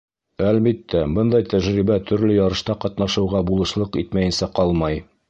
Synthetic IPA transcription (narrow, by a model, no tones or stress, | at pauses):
ælbit̪ːæbɤnd̪ɑjt̪æʒɾibæt̪ʰɵ̆ɾlɵjɒɾɤ̆ʃt̪ɑqɒt̪nɑʃɤ̆wʁɑbulˠɤ̆ʃlˠɤqit̪mæjɘ̆nsæqɒlˠmɑj